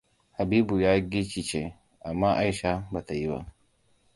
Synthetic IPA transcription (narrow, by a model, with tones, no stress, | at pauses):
ha˨biː˦bu˨jaː˦ɡi˦t͡ʃi˦˨t͡ʃe˦ | a˨mːa˦ʔa˦jʃa˦ba˨ta˨ji˦ba̰˦